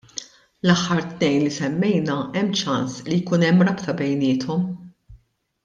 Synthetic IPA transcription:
lɐħːɐɾt̪nɛjnlisɛmːɛjnɐɛmːt͡ʃɐnslijkuːnɛmːɾɐpt̪ɐbɛjnɪːt̪ʰɔm

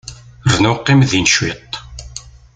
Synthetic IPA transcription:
rnʊqːimðinʃwit̪ˤ

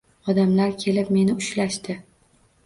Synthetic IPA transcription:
ɒd̪amlaɾkʲʰe̞lɪpme̞nɪʊʃlaʃt̪ɪ

